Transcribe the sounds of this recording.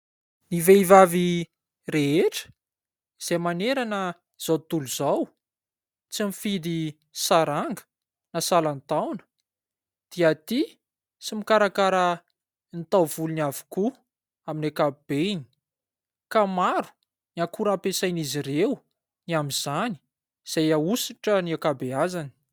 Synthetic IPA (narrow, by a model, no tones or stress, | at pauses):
niveivavi | reeʈ͡ʂə̥ | iz̥ejmaneɾanə | z̥awt̪uluzaw | t͡simifid̪i | saɾaŋɡə̥ | nasalant̪awnə̥ | d̪̥iat̪i | t͡simikaɾakaɾə | nt̪awvuluniavu̥ku | aminakab̥eini̥ | kamaɾu̥ | niakuɾapesajnizirew | niamiz̥ani̥ | z̥ajausiʈ͡ʂəniakabeazani̥